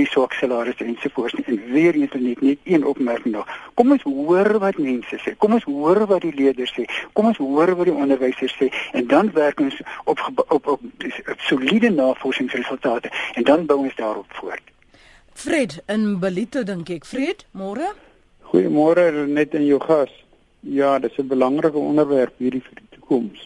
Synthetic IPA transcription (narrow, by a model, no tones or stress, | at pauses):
disɑːksəlɑːɾəsɛnsufuərtsniʔɛnviəɾəntənɛtnɛtiənɔpmærkəŋdɔχkɔmɔnsɦuərvɐtmɛnsəsɛːkɔmɔnsɦuərvɐtdiliədərsɛːkɔmɔnsɦuəɾvɐtdiʔɔndərvəjsərsɛːɛndɐnværkɔnsɔpχəbɔ | solidənɑːfɔrsəŋsrəsəlˠtɑːtəɛndɐnbəwɔnsdɑːɾɔpfuərt | fredənbəlitədəŋkɛkfredmɔrə | χujəmɔɾənɛtənjəwχɐs | jɑːdəsəbəlɐŋrəkəɔ̰ndərværpɦiːrdifərditu̥kɔms